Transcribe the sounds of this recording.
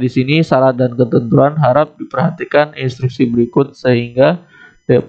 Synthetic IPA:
disinisaɾadankət̪ənt̪uanɦaɾap̚dipərɦat̪ikaninst̪ɾuk̚sibəɾikʊt̪̚səɦiŋɡa

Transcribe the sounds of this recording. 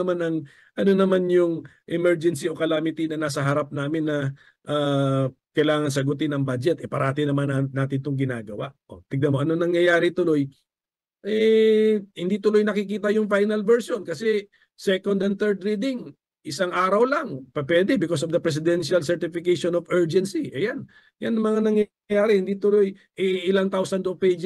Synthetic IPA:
manɐŋ | ʔɐno̞nɐmanjʊŋʔɪmɛɹd͡ʒɛnsio̞kɐlaːmɪt̪inɐnaːsɐɦɐɾap̚naːmɪnːɐ | ʔaːkɐjlaːŋɐŋs̬ɐɡʊt̪ɪnɐŋbad͡ʒɛt̪ʔɛpɐɾʔaːt̪ɪnɐmannaːt̪ɪnt̪oŋɡɪnaːɡɐwaʔʔo̰t̪ɪɡ̚nɐmoʔɐnonɐŋjɐjaːɾɪt̪ʊlo̞j | ʔɛ | hɪnd̪it̪ʊlojnɐkɪkiːt̪ɐjʊŋfajnɐlvɛɹsjonkɐsɛ | sɛkond̪ɛnt̪ɛɹd̪ɾiːd̪ɪŋ | ʔɪsaŋʔaːɾɐwlɐŋpɛpwɛːd̪ɛbɪkos̬ovd̪ɐpɾɛs̬ɪd̪ɛnʃɐlsɛɹt̪ɪfɪkejʃonovɛɹd͡ʒɛnsiʔɐjan | janːɐŋmɐŋanɐŋjɐ | jaːɾɛhɪnd̪it̪ʊloj | ʔɛʔɪlaŋt̪awsɐnd̪ovpejd͡ʒ

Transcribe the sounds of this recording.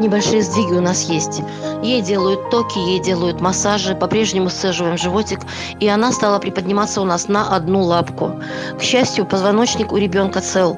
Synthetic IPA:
nʲɪbɐlʲʂɨjəzd̪ʲiɡʲɪʊnasjesʲtʲ | jejdʲe̞lˠəjʊt̪ːokʲɪjejdʲe̞lˠəjʊt̪mɐsaʐɨpɐpɾʲe̞ʐnʲɪmʊssɛʐɨvəjɪmʐɨvo̞tʲɪk | iɐnast̪alˠəpɾʲɪpədʲnʲɪmat̪səʊnasnəʔɐd̪nulˠapkʊ | kɕːæsʲtʲjʊpəzvɐno̞t͡ɕnʲɪkʊɾʲɪbʲo̞nkət̪sɛlˠ

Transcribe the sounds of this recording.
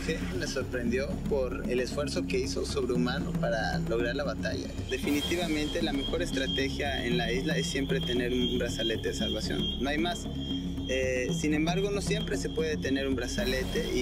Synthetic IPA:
xemeso̞ɾpɾe̞nd̪jo̞po̞ɾḛle̞sfwe̞ɾso̞ke̞iso̞so̞βɾeumano̞paɾa̰lo̞ɣ̞ɾaɾlaβat̪a̰ʝa̰d̪e̞finit̪iβamẽnt̪e̞lame̞xo̞ɾe̞st̪ɾat̪e̞xjaḛnlaizlae̞sːje̞mpɾe̞t̪e̞ne̞ɾunbɾasale̞t̪e̞ðesalβasjo̰nːoajmas | esinembaɾɣo̞no̞sje̞mpɾe̞se̞pwe̞ðet̪e̞ne̞ɾumbɾasale̞t̪e̞ʔi

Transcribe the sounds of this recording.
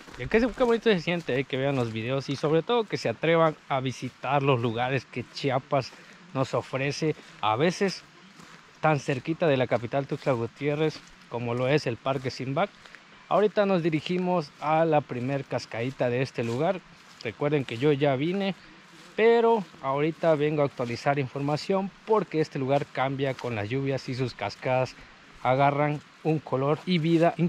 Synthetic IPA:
ekeskeβo̞nit̪osesje̞nt̪eajke̞βeanlo̞zβiðe̞osiso̞βɾet̪o̞ðo̞ke̞seat̪ɾe̞βanaβisit̪aɾlo̞zluɣaɾe̞ske̞t͡ʃiapas | no̞so̞fɾe̞se̞ | a̰βe̞se̞s | t̪anse̞ɾkit̪aðe̞lakapit̪alt̪ukslaɣut̪je̞re̞s | ko̞mo̞lo̞e̞se̞lpaɾk̬e̞simbak̚ | a̰oɾit̪ano̞zðiɾiximo̞salapɾime̞ɾkaskaðit̪aðeest̪eluɣaɾ | rekwe̞ɾðeŋke̞ʝo̞ʝaβine | peɾoaoɾit̪aβe̞ŋɡoaːk̚t̪walisaɾiɱfoɾmasjo̞mpo̞ɾkeest̪e̞luɣaɾkambjakonla̰zʝuβjasis̬uskaskaðas | aɣaran | uŋkʰolo̞ɾiβiðaʔ

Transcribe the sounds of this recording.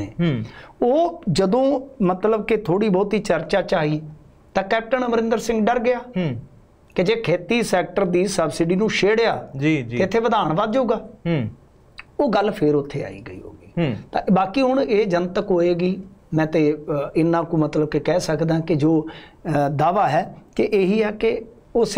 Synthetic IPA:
eːoːd͡ʒəd̪õːmət̪ləbkɪt̪ʰoːɽiːbɔːt̪ɦiːt͡ʃəɾt͡ʃaːt͡ʃaːɦiː | t̪ãːkɛːp̚ʈənməɾɪ̃nd̪əɾsɪ̃ŋɡɖəɾɡɪjaː | ked͡ʒeːkʰeːt̪iːsɛːk̚ʈəɾd̪iːsəbsɪɖiːnũːʃeːɽjaːd͡ʒit̪ːeɪt̪ʰːeːʋəd̪aːɳʋaːd͡ʒoːɡaː | oːɡəlpʰɪɾʊt̪ʰːeːa̰ːḭːɡəiːɦo̰ːɡiːt̪ã̰ːbaːkiːɦʊɳeːd͡ʒənt̪əkɦoːeːɡiːmɛ̃ːt̪eːɪnːãːkũːmət̪ləb̚kɪkɛːsəkd̪ãːkɪd͡ʒoː | d̪aːʋaːɦɛːkeʔːɦiːɛːke | ʊs

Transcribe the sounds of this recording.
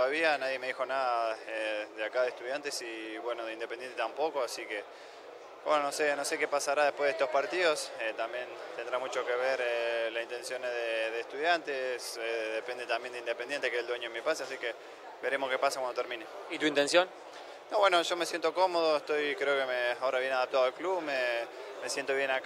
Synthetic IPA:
t̪oaβianaðjeme̞ðixo̞naðaeðeakaðest̪uðjant̪esiβwe̞noðeind̪epend̪jent̪et̪ampo̞koasike | bwenono̞seno̞se̞kepasaɾaðepweðet̪ohpaɾt̪iðoset̪ambje̞nt̪end̪ɾamut͡ʃo̞keβeɾelasint̪ensjo̞neðeðeːht̪uðjant̪eseðepend̪et̪ambjend̪ind̪epend̪je̞nt̪ekeld̪weɲoemipaseasike | be̞ɾe̞mohke̞pasakwand̪ot̪eɾmĩne | it̪uint̪ensjon | noβwe̞noʒo̞mesjent̪o̞ko̞moð̞oeht̪o̞jkɾeokemeao̞ɾaβje̞naðap̚t̪aðoalklumeme̞sjent̪oβjenak

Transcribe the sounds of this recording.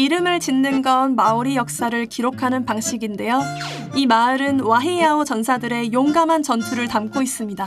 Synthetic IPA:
iɾɯmɯɭt͡ɕinːɯnɡʌnmaoɾijʌk̚s͈aɾɯɭkiɾokʰanɯnpaŋɕ͈ʰiɡinde̞jo | imaɾɯnwaɦejaot͡ɕʌnsʰadɯɾe̞joŋɡamɦant͡ɕʌntʰuɾɯɭtamk͈ʰois͈ɯmɲida

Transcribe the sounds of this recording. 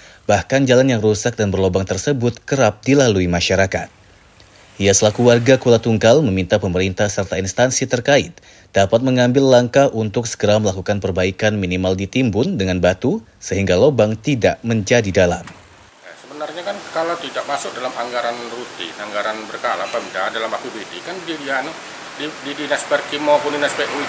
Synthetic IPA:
b̥ahkand͡ʒalanjaŋrusak̚danbərlobaŋt̪ərsəbʊt̪kəɾap̚dilaluimaʃaɾakat̪̚ | ijasəlakuwarɡakulat̪uŋkalməmint̪apəməɾint̪ahsərt̪ainst̪ansit̪ərkaɪt̪̚ | d̥apat̪̚məŋambɪlːaŋkahunt̪ʊksə̥ɡəɾaməlakukanpərbaikanminimaldit̪imbʊndəŋanbat̪u | səɦiŋɡalobaŋt̪idaʔməɲd͡ʒadidalam | jasəbənarɲakankalawt̪idaʔmasʊk̚dalamaŋɡaɾanrut̪ḭnaŋɡaɾanbərkalapamdadalamakubedikandididianʊ | dididinɛspɛrkimopʊndinɛspɛʔu

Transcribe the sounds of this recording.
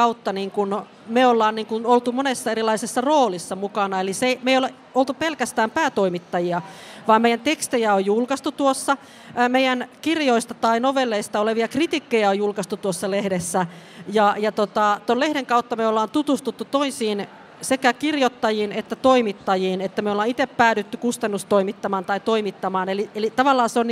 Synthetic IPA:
ɑut̪ːɑniːŋkun | meolːɑːnniːŋkunolt̪umonesːɑerilɑisesːɑroːlisːɑmukɑnɑeliseimeijole | olt̪upelkæst̪æːmpæːt̪oimit̪ːɑjiɑʋɑːmmeijænt̪ekst̪ejæojjulkɑst̪ut̪uosːɑ | meijænkirjoist̪ɑt̪ɑinoʋelːeist̪ɑoleʋiɑkrit̪ikːejæojjulkɑst̪ut̪uosːɑlehdesːæ | jɑjɑt̪ot̪ɑt̪ollehɾeŋkɑut̪ːɑmeolːɑːnt̪ut̪ust̪ut̪ːut̪oisiːn | sekækirjot̪ːɑjiːnet̪ːæt̪oimit̪ːɑjiːnet̪ːæmeolːɑːnit̪eppæːɾyt̪ːykust̪ɑnːust̪oimit̪ːɑmɑːnt̪ɑit̪oimit̪ːɑmɑːnelielit̪ɑʋɑlːɑːseon

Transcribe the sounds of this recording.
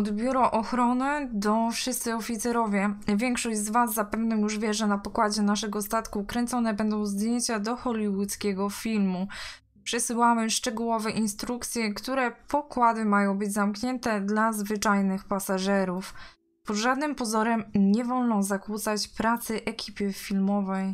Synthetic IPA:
ɔd̪bʲjuɾɔʔɔxɾɔnɘd̪ɔfʂɘst̪sɘɔfʲit̪sɛɾɔvʲjɛvʲjɛŋkʂɔɕd͡ʑzvaszːapɛvnɔ̃juʐvʲjɛʐɛnapɔkwad͡ʑɛnaʂɛɡɔst̪at̪kukɾɛnt̪sɔnɛbɛnd̪ɔ̃w̃zd̪ʲjeɲt͡ɕad̪ɔxɔlʲiwut̪skʲɛɡɔfʲilmu | pʂɘsɘwamɘʂt͡ʂɛɡuwɔvɛʔinst̪ɾukt̪sʲjɛkt̪uɾɛpɔkwad̪ɘmajɔ̃w̃bɘd͡ʑzamkɲɛnt̪ɛd̪lazvɘt͡ʂajnɘxpasaʐɛɾuf | pɔd̪ʐad̪nɘmpɔzɔɾɛmɲɛvɔlnɔ̃w̃zakwut̪sat͡ɕpɾat̪sɛʔɛkʲʰipʲɘfʲilmɔvɛj

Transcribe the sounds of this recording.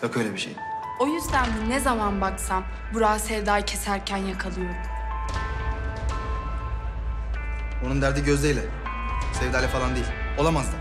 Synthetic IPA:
jokʰøjlʲebiʃḛj | o̞jyzd̪ænd̪inezamanbaksam | buɾaːsevd̪ajcʰe̞sæɾcʰænjakʰalˠɯjoɾ | onund̪æɾd̪iɟøzd̪ejlʲɛ | sevd̪aːlʲɛfalˠand̪eilʲo̞lˠamazd̪ɯm

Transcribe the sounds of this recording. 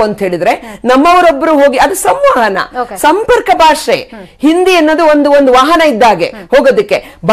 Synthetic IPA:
ɐnt̪ɦe̞ːɭid̪ɐɾe̞nɐmːɐʋɐɾobːɐɾuɦoːɡiɐd̪usɐmʋaːɦɐnɐ̰sɐmpɐɾkɐbʱaːʂḛhind̪iɐnːoːd̪uond̪uond̪uʋaːɦɐnɐid̪ːaːɡe̞̰hoːɡoːd̪ɐkːe̞bʱ

